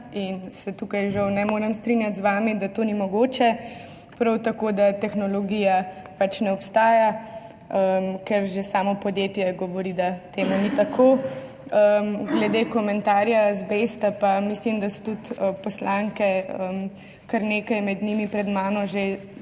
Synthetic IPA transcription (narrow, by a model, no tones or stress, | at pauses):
insɛt̪ukajʒɐwnɛmoːɾɛmst̪ɾinjat̪zʋaːmid̪at̪oːnimɔɡoːt͡ʃɛ | pɾɐwt̪akod̪at̪ɛxnɔlɔɡiːja | pat͡ʃnɛɔpst̪aːja | əmkɛɾʒesaːmɔpɔd̪jet̪jɛɡɔʋɔɾid̪at̪eːmunit̪akʰo | əmɡlɛd̪ekɔmɛnt̪aːɾjazbest̪apamislimd̪asɔ̥t̪ut̪əpɔslaŋkɛəm | kaɾneːkajmɛd̪nimipɾɛd̪maːnɔʒe